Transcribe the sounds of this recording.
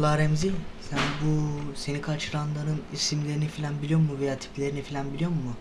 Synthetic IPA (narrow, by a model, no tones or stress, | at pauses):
lˠaɾɛmzijsænbuse̞nikʰat͡ʃʰɯɾanlˠaɾɯnisimlʲe̞ɾinifilʲænbilijo̞mmːuvejaːt̪ʰi̥plʲe̞ɾinifilʲænbilʲijo̞mːʊ